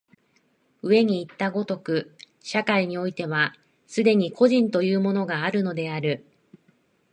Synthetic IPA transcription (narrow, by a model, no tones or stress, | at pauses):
ɯ̟e̞ɲ̟iːt̪ːaɡo̞t̪o̞kɯ̟ | ɕakaiɲ̟io̞it̪e̞β̞a | sɨd̪e̞ɲ̟ikʰo̞ʑĩnt̪o̞jɯːmo̞no̞ɡaːɾɯ̟no̞d̪e̞aɾɯ̟